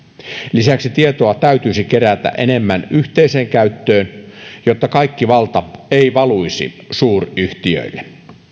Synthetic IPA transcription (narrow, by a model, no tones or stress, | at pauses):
lisæksit̪iet̪oɑt̪æyt̪yisikeɾæt̪æ̰ʔenemːænyht̪eiseːŋkæyt̪ːøːnjot̪ːɑkɑikːiʋɑlt̪ɑeiʋɑluisḭ | suːryht̪iø̰ilːe